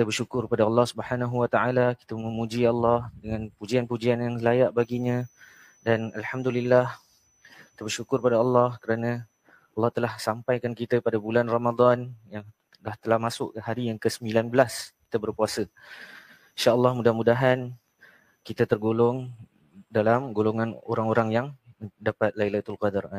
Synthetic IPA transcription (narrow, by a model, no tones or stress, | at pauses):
kit̪əbərʃukʊrəpadaɑlːɑhsubəħanaɦuwat̪aalaki̥t̪əməmud͡ʒiɑlːɑhdəŋãnpud͡ʒianpud͡ʒianjaŋlajaʔbaɡiɲã | danalħamd̪ulilːah | kit̪əbərʃukʊrpadaɑlːɑhkəɾanã | ɑlːɑht̪əlahsampajkankit̪əpadabulanramad̪anjaŋ | daht̪əlahmasʊʔhaɾijaŋkəsəmbilanbəlaski̥t̪əbərpuasə | inʃaʔəlːɑhmũdahmudaɦan | kit̪ət̪ərɡolʊŋ | dalamɡoloŋãno̰ɾaŋoɾaŋjaŋdapat̪̚lailajt̪ulqɑdar